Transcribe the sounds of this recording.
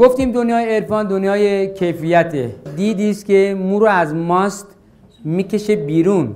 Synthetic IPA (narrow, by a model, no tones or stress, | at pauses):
ɡ̥oft̪iːmd̪onjɒːjeːɾfɒːnd̪onjɒːjekʰejfijæt̪ʰḛd̪iːd̪iːst̪kʰemuːɾɔæzmɒːst̪ | miːke̞ʃebiːɾuːn